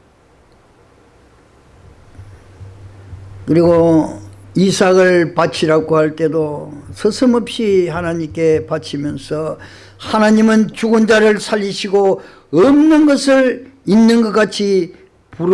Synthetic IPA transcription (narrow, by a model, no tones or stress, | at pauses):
kɯɾiɡo | isʰaɡɯɭpat͡ɕʰiɾaɡohaɭt͈e̞dosʰʌsʰɯmʌpɕ͈ihanaɲimk͈e̞pat͡ɕʰimjʌnsʰʌ | hanaɲimɯnt͡ɕuɡɯnd͡ʑaɾɯɭsʰaʎːiɕʰiɡo | ʌmnɯnɡʌsʰɯɭinːɯnɡʌk͈at͡ɕʰi | puɾ